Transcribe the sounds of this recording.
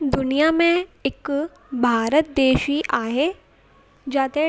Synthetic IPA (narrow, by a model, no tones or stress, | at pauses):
d̪ʊnijamẽɪk | bʱaːɾət̪̚d̪eːʃiʔaːɦe | d͡ʒaːt̪e